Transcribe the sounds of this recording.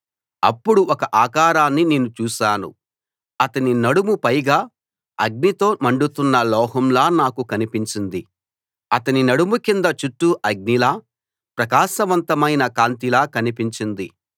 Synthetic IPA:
ɐ̰pːuɽuʔɔkɐʔaːkaːɾaːnːine̞ːnut͡ʃuːʃaːnṵ | ɐt̪ɐninɐɽumupɐjɡaː | ɐɡ̚nit̪o̞ːmɐɳɖut̪unːɐlɔːɦɐmlaːnaːkukɐnipiɲt͡ʃind̪i | ɐt̪ɐninɐɽumukind̪ɐt͡ʃuʈːuʔɐɡ̚nilaː | pɾɐkaːʃɐʋɐnt̪ɐmɐjnɐkaːnt̪̬ilaːkɐnipiɲt͡ʃind̪i

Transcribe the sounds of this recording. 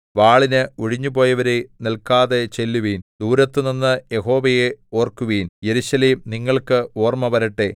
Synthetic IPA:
ʋaːɭinɨuɻiɲːupo̞ːjɐʋɐɾenilkaːðet͡ɕe̞lːuʋiːnd̪uːɾɐt̪ːɨninːɨjeɦo̞ːʋɐjeo̞ːrkuʋiːnje̞ɾuɕɐleːmniŋːɐɭkɨoːrmɐʋɐɾɐʈːe

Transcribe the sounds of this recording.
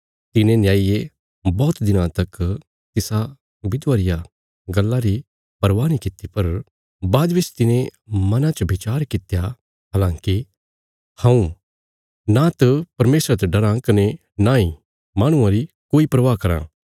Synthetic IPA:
t̪ɪnẽnjaːije | bɔːt̪d̪ɪnãt̪ɐk | t̪ɪsa | bɪd̪ʋaːɾɪja | ɡɐlːaɾi | pɐɾʋaːnikɪt̪ːipɐɾ | baːd̪ʋɪt͡ʃt̪ɪnẽmɐnãt͡ʃbʱɪt͡ʃaːɾkɪt̪ja | ɦaːlãːŋki | hãũ | nat̪ɐpɐɾmeːsɾat̪eɖɐɾãkɐne | naːĩ | mãːɽ̃ʊ̃ãɾi | koːipɾɐʋakɐɾã̰

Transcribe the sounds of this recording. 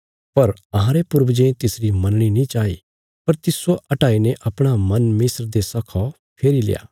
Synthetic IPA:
pɐɾɐɦãɾepʊɾbd͡ʒẽt̪ɪsɾimɐ̃nɽ̃inĩt͡ʃaːḭ | pɐɾt̪ɪsoʔɐʈaːineʔɐpɽ̃amɐnmɪsɾd̪esɐkʰɔ | pʰeːɾilɪ̰ja̰ː

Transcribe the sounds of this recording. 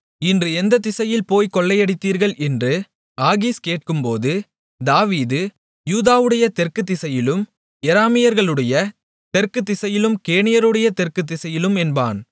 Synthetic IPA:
ɪndrɯɛnd̪ɐt̪ːɪsɐjɪlpoːjkɔɭːɐjɐɽɪt̪ːiːɾɣɐɭʔɛndrɯ | aːɣiskeːʈ̚kɯmpoːðɯ | d̪aːʋiːðɯ | juːðaːʋɯɽɐjɐt̪ɛrkɯt̪̬ːɪsɐjɪlɯm | ɛɾaːmɪjɐɾɣɐɭɯɽɐjɐ | t̪ɛrkɯt̪ːɪsɐjɪlɯmkeːɳɪjɐɾɯɽɐjɐt̪ɛrkɯt̪̬ːɪsɐjɪlɯmɛnba̰ːn

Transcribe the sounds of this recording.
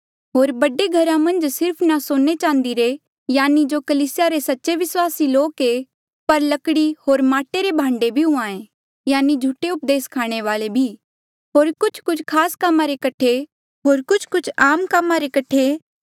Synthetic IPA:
ɦoːɾbɐɖeɡʱɐɾãmɐ̃nd͡ʒsɪɾpʰnasoːnet͡ʃãːnd̪iɾe | jaːnid͡ʒokɐliːsɪjaɾesɐtːʃeʋɪswaːsiloːke | pɐɾlɐkɽihoːɾmaːʈeɾebʱãːɳɖebʱiɦʊ̃ãːẽ | jaːnid͡ʒʱuʈeʊp̚d̪eːskʰaːɽ̃eʋaːlebʱiː | ɦoːɾkʊt͡ʃʰkʊt͡ʃʰkʰaːskɐmːaɾekɐʈʰe | ɦoːɾkʊt͡ʃʰkʊt͡ʃʰaːmkɐmːaɾekɐʈʰe

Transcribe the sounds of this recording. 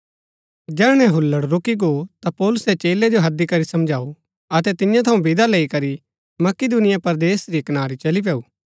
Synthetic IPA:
d͡ʒɛːɽ̃ɛ̃ɦʊlːəɽɾoːkiɡot̪apɔːlʊsɛt͡ʃeːled͡ʒoɦɐd̪ːikɐɾisɐ̃md͡ʒʱaːu | ɐt̪ɛt̪ɪjãt̪ʰɐũbɪd̪aleːikɐɾi | mɐkɪd̪unɪjapɐɾd̪eːsɾikɐnaːɾit͡ʃɐlip̬ɛːuː

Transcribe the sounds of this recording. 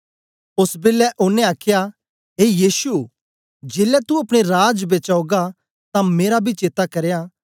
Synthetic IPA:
ʊsbɪlːɛʔʊnːẽaːkʰja | ɦeːjiːsu | d͡ʒeːlɛt̪uɐpɽ̃eɾaːd͡ʒbeːt͡ʃaːoɡa | t̪ãmeːɾabʱit͡ʃeːt̪akɐɾja

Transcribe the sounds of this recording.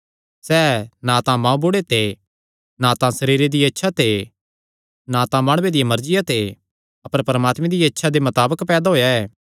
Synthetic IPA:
sɛːnãːt̪ãmãːũboːɽet̪ʰe | nãːt̪ãsɐɾiːɾed̪iɐtːʃʰat̪ʰe | naːt̪ãmaːɽ̃ʊwed̪ɪjamɐɾd͡ʒɪjat̪ʰe | ɐpəɾpɐɾəmaːt̪mẽd̪ijaɐtːʃʰad̪emɐt̪aːbəkpɛːd̪aɦoːjaɛː

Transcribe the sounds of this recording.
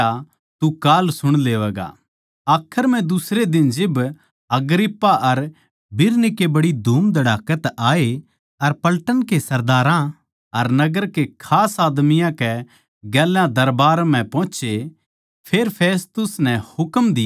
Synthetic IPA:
a | t̪ukaːlsʊɽ̃leːʋɛːɡa̰ | aːkʰəɾm̤ɛ̃d̪ʊsɾed̪ɪnd͡ʒɪb | ɐɡɾɪpːaʔɐɾ | bɪɾnɪkebɐɽid̪ʱuːmd̪ɐɽaːkət̪aːe | ɐɾpɐlʈənkesɐɾd̪aːɾã | ɐɾnɐɡəɾkekʰaːsaːd̪mɪjãkɛ | ɡɛːlãd̪ɐɾbaːɾm̤ɛ̃pɔ̃ːt͡ʃe | pʰeːɾpʰeːst̪ʊsnɛhʊkmd̪ɪj

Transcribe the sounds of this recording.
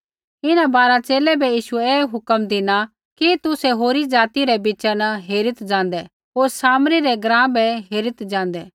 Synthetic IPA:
ɪnãbaːɾat͡ʃeːlɛbɛjiːʃʊɛeːɦʊkəmd̪ɪna | kit̪ʊsɛɦoːɾid͡ʒaːt̪iɾɛbɪt͡ʃɛnɐɦeːɾɪt̪d͡ʒãːnd̪ɛː | ɦoːɾsaːmɾiɾɛɡɾãːbɛɦeːɾɪt̪d͡ʒãːnd̪ɛː

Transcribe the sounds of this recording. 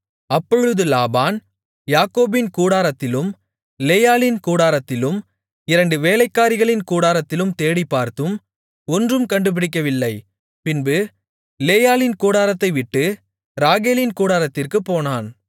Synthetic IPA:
ɐpːɔɻɯðɯlaːbaːn | jaːkoːbɪnkuːɽaːɾɐt̪ːɪlɯm | leːjaːlɪnkuːɽaːɾɐt̪ːɪlɯm | ɪɾɐɳɖɯʋeːlɐɪkːaːɾɪɣɐɭɪnkuːɽaːɾɐt̪ːɪlɯmt̪eːɽɪpːaːɾt̪ɯm | ɔndrɯmkɐɳɖɯp̬ɪɽɪk̬ːɐʋɪlːɐɪ | pɪnbɯ | leːjaːlɪnkuːɽaːɾɐt̪ːɐɪʋɪʈːɯ | ɾaːɣeːlɪnkuːɽaːɾɐt̪ːɪrkɯpːoːnaːn

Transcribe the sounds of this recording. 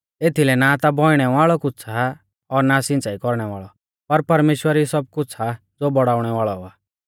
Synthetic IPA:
eːt̪ʰilɛnat̪abʱɔɪɽ̃ɛʋaːɭɔkʊt͡sʰa | ɔɾnasɪ̃nt͡saːikɔɾɽ̃ɛʋa̰ːɭɔ | pɐɾpɐɾmeːʃwəɾisɔb̚kʊt͡sʰa | d͡zoːbɔɽaːʊɽ̃ɛʋaːɭɔaː

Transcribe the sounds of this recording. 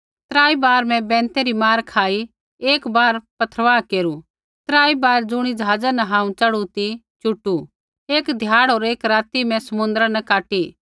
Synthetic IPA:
t̪ɾaːibaːɾmɛ̃bɛ̃ːnt̪eɾimaːɾkʰaːi | eːkbaːɾpɐt̪ʰɾəʋaːkeːɾu | t̪ɾaːibaːɾd͡zʊɽ̃id͡ʒɦaːd͡zanɐɦãːũt͡ʃɐɽut̪i | t͡ʃʊʈːu | eːkd̪ʱjaːɽoːɾeːkɾaːt̪imɛ̃sɐmʊ̃nd̪ɾanɐkaːʈi

